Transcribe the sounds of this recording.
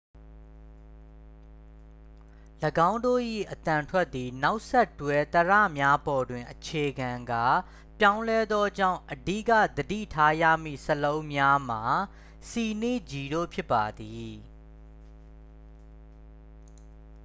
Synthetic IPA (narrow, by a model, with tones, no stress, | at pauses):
ləɡã˦ʊ̃ndo̰˦˨ʔḭ˦˨ʔət̪ã˨ntʰwɛ˦t̪̚ːi˨na˦ʊʔsɛ˦˨tːwɛ˦t̪əɹä̰˦˨mja˦bɔ˨dwɪ̃˨ʔət͡ɕʰe˨ɡã˨ŋɡa˦˨ | pjã˦ʊ̃lɛ˦d̪ðɔ˦d͡ʑã̰˦˨ʊ̃ʔədḭ˦˨ka̰˦˨d̪ədḭ˦˨tʰa˦jä̰˦˨m̥ḭ˦˨səlõ˦ʊ̃mja˦m̥a˨ | si˨ne˦˨d͡ʑi˨ɾo̰˦˨pʰjɪ˦pːa˨d̪i˨